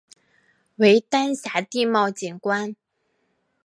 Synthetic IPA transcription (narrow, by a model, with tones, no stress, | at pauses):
we˧˥ɪt̪a˥nɕja˧˥t̪i˥˧mɑ˥˩ʊt͡ɕi˨˩nkwa˥n